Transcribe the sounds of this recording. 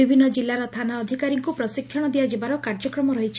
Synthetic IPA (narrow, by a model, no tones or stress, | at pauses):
ibʱinːɔd͡ʒilːaɾɔt̪ʰanaɔd̪ʱikaɾiŋkupɾɔsikʰːjɔɽ̃ɔd̪ijad͡ʒebaɾɔkaɾd͡ʒɔkɾɔmɔɾɔɦit͡ʃʰi̥